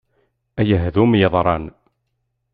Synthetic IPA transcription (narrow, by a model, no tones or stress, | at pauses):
æjəɦðumjəðˤɾˤɑn